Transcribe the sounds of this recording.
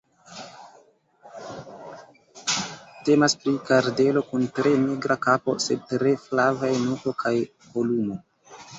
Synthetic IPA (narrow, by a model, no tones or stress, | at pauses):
te̞maspɾikaɾde̞lo̞kuntɾe̞miɡɾʔakapo̞̰se̞d̚tɾe̞flavajnuko̞kʰaj | vo̞lumo